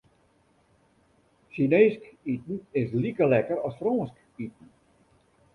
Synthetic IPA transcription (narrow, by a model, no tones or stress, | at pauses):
ʃineːskitn̩ɪslikəlɛkəɾɔsfrɔːsk | it̚ən̩